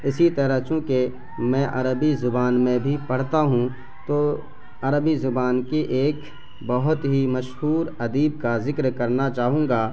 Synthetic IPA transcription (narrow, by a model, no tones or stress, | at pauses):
ɪsit̪ɐɾəɦt͡ʃũːke | mɛ̃ʔɐɾəbizʊbaːnmẽbʱipɐɽ̤t̪aɦũ | t̪oː | ɐɾəbizʊbaːnkeʔeːk | bɐɦʊt̪ɦimɐʃɦuːɾɐd̪iːb̚kazɪkɾkɐɾnat͡ʃaːɦũːŋ̆ɡaː